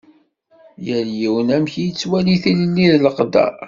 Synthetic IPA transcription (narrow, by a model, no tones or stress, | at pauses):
jæljiwənæmçijət͡sːwæliθilənːiðləqd̪æ̰